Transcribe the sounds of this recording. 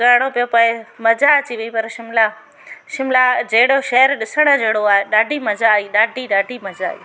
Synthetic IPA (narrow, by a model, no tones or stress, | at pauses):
ɡaːɾɽ̃opijopɐɪ̃mɐzaɐt͡ɕiʋeipɐɾʃɪmla | ʃɪmlad͡ʑeːɽoʃɛɦəɾɗɪsəɽ̃əd͡ʑeːɽoaːɦeɗaːɖʱimɐzaiɗaːɖʱiɗaːɖʱimɐd͡ʑaḭ